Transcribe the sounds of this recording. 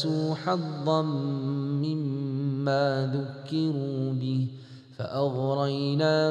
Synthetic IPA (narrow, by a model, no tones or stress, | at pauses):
suːħɑðˤːɑnː | ɪmːaːðʊkːɪɾuːbɪh | fa̰ʔɑɣɾˤɑjnaː